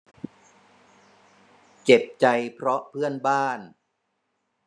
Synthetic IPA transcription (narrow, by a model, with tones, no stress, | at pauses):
t͡ɕe˨˩p̚t͡ɕa˧jpʰɾɔ˦˥pʰɯ˥˩ənbaː˥˩n